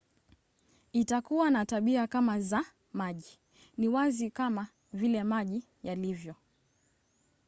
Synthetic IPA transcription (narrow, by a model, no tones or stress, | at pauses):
itakuwanataɓiakamaza | maʄi | niwazikama | vilɛmaʄi | jalivjɔ